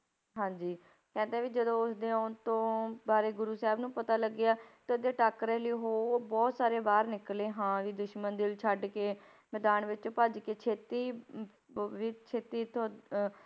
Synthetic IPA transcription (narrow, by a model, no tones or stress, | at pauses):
ɦãːd͡ʒiː | kɛ̃ːnd̪ẽːʋiːd͡ʒəd̪õːʊsd̪eːot̪õːbaːɾeːɡʊɾuːsɛɦɛbnũːpət̪aːləɡɪjaːt̪ãːd̪eːʈaːkɾẽːləiːɦoːbɔːt̪saːɾeːbaːɾnɪkleːɦãːʋiːd̪ʊʃmənd̪ɪlt͡ʃʰəɖkeː | mɛːd̪aːnʋɪt͡ʃːpəd͡ʒkeːt͡ʃʰeːt̪iː | ʋiːt͡ʃʰeːt̪iːt̪ʰo